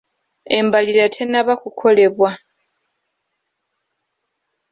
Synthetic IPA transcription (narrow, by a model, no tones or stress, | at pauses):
embalilatʰenaβakukʰo̞le̞βwa